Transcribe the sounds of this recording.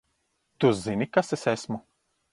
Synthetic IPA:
t̪uzinikasɛsɛsmo

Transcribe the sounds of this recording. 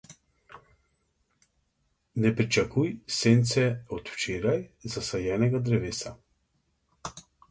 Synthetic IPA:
nɛpɾit͡ʃakujseːnt̪sɛɔt̪wt͡ʃeːɾajzasajɛːnɛɡad̪ɾɛʋeːsa

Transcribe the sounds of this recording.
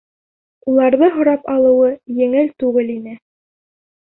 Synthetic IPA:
ulˠɑɾðɤɦŏɾɑpɑlˠɤ̆wɤjɘ̆ŋɘlt̪ʉɡɘlinɘ

